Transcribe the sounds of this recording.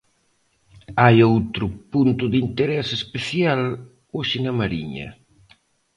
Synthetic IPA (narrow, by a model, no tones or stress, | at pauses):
ajowt̪ɾʊpunt̪ʊðint̪eɾɛsespeθjal | oʃɪnɐmaɾiɲɐ̰